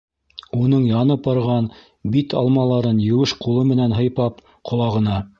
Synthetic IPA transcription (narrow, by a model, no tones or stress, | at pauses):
unɤɴjɑnɤp̚bɑɾʁɑn | bit̪ɑ̰lˠmɑlˠɑɾɤnjɘ̆wɘʃqulˠɤmɘ̆nænɦɤ̆jpɑp | qʰŏlˠɑʁɤ̆nɑ